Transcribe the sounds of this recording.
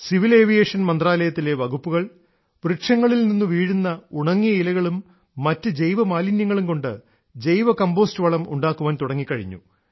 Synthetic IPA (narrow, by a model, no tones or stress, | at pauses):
siʋile̞ːʋijeːʂɐnmɐnd̪raːlɐjɐt̪ːile̞ʋɐɡupːuɣɐɭ | ʋriʈʂɐŋːɐɭilninːuʋiːɻunːɐuɳɐŋːijɐilɐɣɐɭumː | ɐtːɨd͡ʑe̞jʋɐmaːlinjɐŋːɐɭumko̞ɳɖɨ̰ | d͡ʑe̞jʋɐkɐmbo̞ːstɨʋɐɭɐmṵɳɖaːkːuʋaːnt̪uɽɐŋːikːɐɻiɲːṵ